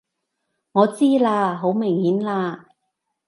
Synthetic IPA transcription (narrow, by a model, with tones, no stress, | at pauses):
ŋɔː˨˧t͡siː˥laː˧ɦo˨˥wmɪ˨˩ŋhiː˨˥nlaː˧